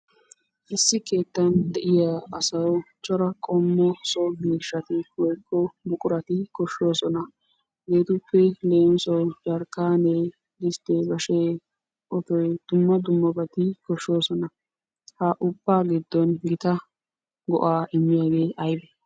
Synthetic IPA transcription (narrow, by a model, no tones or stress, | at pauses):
ʔɪsːɪke̞ːt̪ːɐnd̪ɛʔɪjaːɐsɐwt͡ʃʼɔɾɐkʼɔmːɔsɔɡiːʃːɐt̪ɪwɔjkːɔbʊkʼʊɾɐt̪ɪkɔʃo̞ːsɔnɐ | ɡe̞ːt̪ʊpːɛleːnsɔwd͡ʒɐɾkːaːne | dɪst̪eːbɐʃeː | ʔɔtɔjd̪̥ʊmːɐd̪ʊmːɐbɐt̪ɪkɔʃo̞ːsɔnɐ | hɐʔʊbːaːɡɪd̪ːɔnɡɪt̪ɐ | ɡɔ̰ʔaːʔɪmːɪjaːɡe̞ːʔɐjbɛ